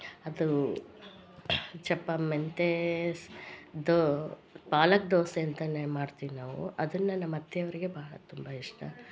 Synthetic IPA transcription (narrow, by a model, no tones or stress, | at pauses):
ɐd̪u | t͡ʃɐpːɐment̪esd̪opaːlɐk̚d̪oːseɐnt̪ɐnemaːɖt̪iʋnaːʋṵɐd̪ɐnːɐnɐmːɐd̪ʱjɐɐʋɐɾiɡe̞baːɭɐ̰t̪umbɐiʂʈɐ